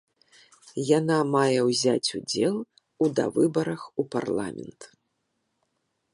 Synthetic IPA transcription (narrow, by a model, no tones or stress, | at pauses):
janamajɛwzʲat͡sʲud͡zʲɛlˠ | ud̪ɐ̰vɨbɐɾɐxupa̰rlˠa̰mʲɛ̰nt̪